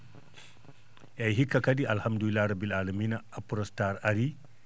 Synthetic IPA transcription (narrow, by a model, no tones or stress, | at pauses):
jajɦikːakadiʔalhamduilːaːɾabilaːlaminaapuɾɔstaɾaɾi